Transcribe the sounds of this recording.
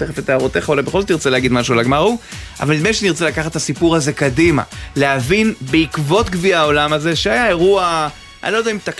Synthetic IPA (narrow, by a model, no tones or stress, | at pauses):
eχafet̪aaʁot̪e̞χaolabexolzot̪̬iʁt͡seleaɡidmaʃualaɡmaʁuʔa̰valmidneʃeaniʁt͡selakaχat̪ːasipuʁaze̞kadima̰lehavinbeikvo̞t̪ɡviao̞lamaze̞ʃeajae̞ʁua | a̰nilojd̪aimt̪ak